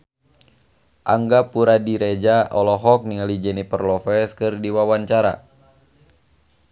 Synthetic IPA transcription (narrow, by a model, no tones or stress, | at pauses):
ʔaŋɡapuɾadiɾed͡ʒaɔlɔɦɔk̚niŋalid͡ʒɛnipərlɔfɛskɨrdiwawaɲt͡ʃaɾa̰